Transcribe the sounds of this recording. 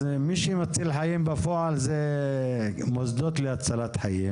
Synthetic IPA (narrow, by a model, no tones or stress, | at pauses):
miʃimat͡silħajimbafoʕalze | mozd̪ot̪leat͡salat̪ħajim